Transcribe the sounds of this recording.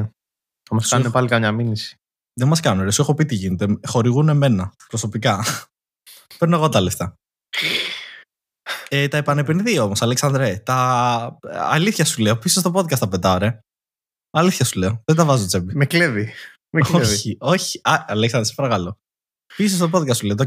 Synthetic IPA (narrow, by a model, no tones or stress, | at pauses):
mɐsɐnnepɐlikɐmɲɐminisi̥ | ðemɐskɐnuneɾesuexo̞pit̪iʝinet̪e̞xo̞ɾiɣune̞me̞nɐpɾo̞so̞pikɐ | peɾno̞eɣo̞t̪ɐɐleft̪ɐ | et̪ɐepɐne̞peniðio̞mosɐleksɐnd̪ɾet̪ɐː | liθçɐsuleopises̬t̪o̞po̞ðkɐst̪ɐpe̞t̪ɐɾe̞ | ɐliθçɐsule̞oðed̪ɐvɐzot͡sebimeklevi | meoçio̞çiɐɐleksɐndɾespɐɾɐkɐlo̞ | pises̬t̪o̞p̬o̞ðkɐst̪suleot̪ɐ